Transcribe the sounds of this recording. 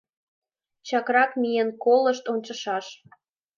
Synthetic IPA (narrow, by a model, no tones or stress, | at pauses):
t͡ɕɑkrɑkmijənkoləʃt̪onʲt͡ɕəʃɑʃ